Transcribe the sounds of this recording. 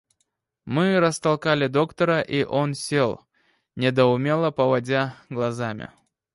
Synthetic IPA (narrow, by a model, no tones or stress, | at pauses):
mɨɾəst̪ɐlˠkalʲɪd̪o̞kt̪əɾəʔiʔo̞nsʲelˠ | nʲɪd̪əʊmʲe̞lˠəpəvɐdʲaɡlˠɐzamʲɪ̰